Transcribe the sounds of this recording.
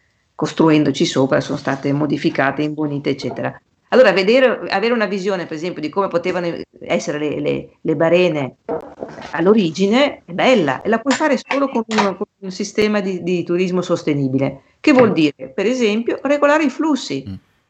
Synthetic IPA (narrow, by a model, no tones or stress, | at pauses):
kost̪ɾuɛnd̪ot͡ʃisoːpɾaso̰nost̪aːt̪emod̪ifikaːt̪eiɱvoniːt̪eːt͡ʃːɛːt̪eɾa̰ | alːoːɾaved̪eːɾea̰veːɾeunavizjoːnepeɾezɛmpjod̪ikoːmepot̪eːvanoɛsːeɾelḛlḛlebaɾɛːne | a̰lːoɾiːd͡ʒineɛbɛlːa̰ʔḛlapwɔjfaːɾesoːlokonunkonunsist̪ɛːmad̪id̪it̪uɾizmosost̪eniːbile | kevːwɔld̪iːɾepeɾezɛmpjoreɡolaːɾeiflusːi